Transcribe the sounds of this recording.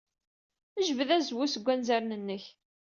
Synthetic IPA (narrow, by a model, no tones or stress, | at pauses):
əʒvəðæzwusəɡʷːænzæɾnənːəç